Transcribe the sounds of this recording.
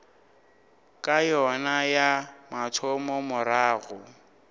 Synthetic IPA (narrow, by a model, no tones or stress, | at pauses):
kʼajɔnajamatʰɔmɔmʊɾaːɣʊ